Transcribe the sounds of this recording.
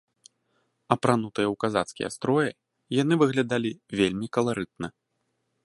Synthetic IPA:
ɐpɾanut̪ɨjɛwkazat̪skʲḭjɛ̰st̪ɾɔjɛ | jan̪ɨvɨɣlʲad̪alʲivʲelʲmʲikɐlˠaɾɨt̪̚nɐ

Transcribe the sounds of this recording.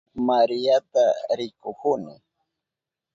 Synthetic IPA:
maɾɪjat̪aɾɪkʊkʊnɪ

